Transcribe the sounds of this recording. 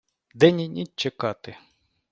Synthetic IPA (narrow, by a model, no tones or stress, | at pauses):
d̪ɛnʲinʲit͡ʃekɑt̪ɪ